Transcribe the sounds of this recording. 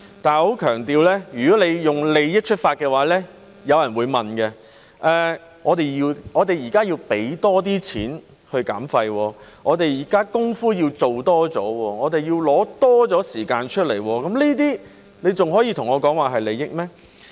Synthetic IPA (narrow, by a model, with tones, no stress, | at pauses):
t̪aː˨nho˨˥wkʰœː˨˩ŋt̪iː˧wlɛː˥jyː˨˩kɔː˨˥le˨˧jjʊ˨˩ŋle˨˧jjɪ˥k̚t͡ʃʰɵ˥t̚faː˧t̚kɛː˧waː˨˥lɛː˥ | jɐ˨˧wjɐ˨nwuː˨˧jmɐ˨nkɛ˧ | ʔɛː˨˧ | ŋɔː˨˧t̪e˨jjiː˧wɔː˨˧t̪e˨jiː˨˩kaː˥jiː˧wpe˨˥jt̪ɔː˥t̪̬iː˥t͡sʰḭː˨˥n | hɵ˧ɥkaː˨˥mfɐ˧jwɔː˧ŋɔː˨˧t̪e˨jiː˨˩kaː˥kʊ˥ŋfuː˥jiː˧wt͡so˨wt̪ɔː˥t͡sɔː˨˥wɔː˧ŋɔː˨˧t̪e˨jiː˧wlɔː˨˥t̪ɔː˥t͡sɔː˨˥siː˨˩kaː˧nt͡ʃʰɵ˥t̚le˨˩jwɔː˧kɐ˨˥mliː˥t̪iː˥ | ne˨˧jt͡sʊ˨˩ŋɦɔː˨˥jiː˧t̪ʰʊ˨˩ŋɔː˨˧kɔː˨˥ŋwaː˨˩ɦɐ˨jle˨˧jɪ˥k̚mɛː˥